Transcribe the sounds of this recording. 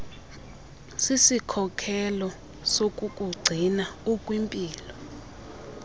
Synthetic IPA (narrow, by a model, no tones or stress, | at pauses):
sisikʰɔkʰɛlɔ | sokʼukʼuɡ͡ǀʱinaukʼwimpʼiːlɔ